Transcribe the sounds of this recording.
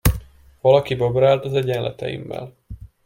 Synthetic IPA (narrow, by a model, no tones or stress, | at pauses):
vɒlɒkibobɾaːlt̪ɒzɛɟɛnlʔɛ̰t̪ɛ̰jḭmːɛ̰l